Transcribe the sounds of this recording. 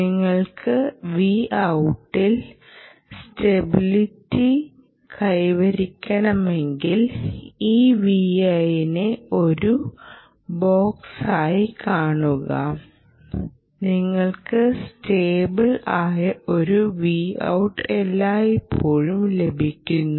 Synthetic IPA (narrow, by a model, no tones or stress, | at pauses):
niŋːɐɭkʰɨʋiːʔɐwʈːil | ste̞bilitːi | kʰɐjʋɐɾikʲːɐɳɐme̞ŋɡiliːʋiɐjineo̞ɾu | boːksaːjikʰaːɳuɣɐ̰ | niŋːɐɭkɨsteːbɐɭaːjɐo̞ɾuʋiːɐ̰wʈːelːaːjipʰːo̞ːɻumle̞bʱikʲːunːu